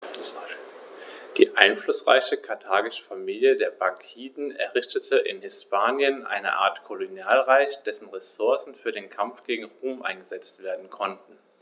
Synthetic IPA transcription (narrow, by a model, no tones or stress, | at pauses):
d̥iːʔaɪnflʊsʁ̥a̰ɪçəkʰaɐtʰaːɡɪʃə̥famiːljədeːɐbaŋkʰiːdn̩ɛ̰ɐʁɪçtətʰəʔɪ̰nhɪspaːnjənʔa̰ɪnə̰ʔa̰ːɐtkʰolonjaːlʁaɪçd̥ɛsn̩ʁesʊɐsn̩fyːɐɾeːnkʰamfɡ̥eːɡŋ̩ʁoːmʔa̰ɪnɡəzɛt͡stv̥eːɐdn̩kʰɔntn̩